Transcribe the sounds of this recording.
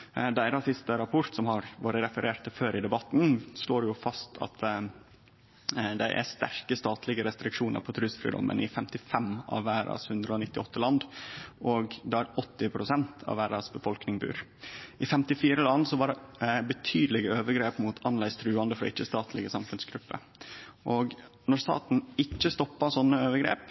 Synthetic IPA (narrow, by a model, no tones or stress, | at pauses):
d̪æɪɾɑsɪst̪əɾɑpʰɔɾt̪sɔmhɑɾʋoːɾəɾɛfəɾeːɾt̪əføːɾɪd̪ɛbɑt̪n̩sloːɾɛjʊfɑst̪ʰɑ̰t̪ | d̪ɛʔæ̰st̪æɾkəst̪ɑːt̪ʰlɪɡəɾɛst̪ɾɪkʂuːnə̰ɾpʰɔt̪ʰɾʉsfɾḭd̪ɔ̰mʔə̰nʔɪfɛmt̪ɪfɛmɑ̰ʋːæːɾɑ̰shʉnd̪ɾəɔnɪt̪ːɪɔt̪ːəlɑnd̪ʔoɡd̪ɛæɾɔt̪ːɪpʰɾʊsɛnt̪ʰɑ̰ʋæːɾɑsbəfɔlknɪŋbʉ̰ːɾʔɪfɛmt̪ɪfiːɾəlɑnsɔʋɑɖɛbət̪ʰyːd̪lɪɡəøːʋəɡɾeːpmuːt̪ʰɑnlæɪst̪ʰɾʉːɑnd̪əfɾɔɪt͡ʃːəst̪ɑːt̪ʰlɪɡəsɑmfʉnsɡɾʉpːə̰ | ʔoɡ | nɔɾst̪ɑ̰ːt̪n̩ɪt͡ʃːəst̪ɔpːɑsɔnːəøːʋəɾɡɾḛːp